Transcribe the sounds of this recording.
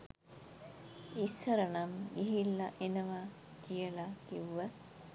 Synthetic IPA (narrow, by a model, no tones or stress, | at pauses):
isːəɾənamɡiɦilːaʔenəʋa | kijəlakiʋʋə